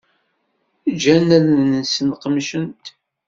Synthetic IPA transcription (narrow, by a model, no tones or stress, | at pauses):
d͡ʒænælnəsənqəmʃənt̪